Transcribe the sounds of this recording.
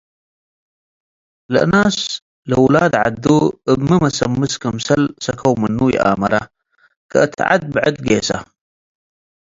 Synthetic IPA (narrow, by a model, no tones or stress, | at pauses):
lʔnaːs | ləwlaːd̪ʕa̰d̪ːuəbməmasɐmːɨskəmsɐlsɐkʰawmənːuːjʔa̰ːmɐɾa | ka̰t̪ʰʕa̰d̪̚bʕəd̪ɡeːsa̰